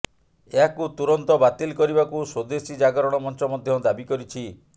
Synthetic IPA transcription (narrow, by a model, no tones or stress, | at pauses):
eɦakut̪uɾɔnt̪ɔbat̪ilkɔɾibakusod̪esid͡ʒaɡɔɾɔɽ̃ɔmɔnt͡ʃɔmɔd̪ʱjɔd̪abikɔɾit͡ʃʰi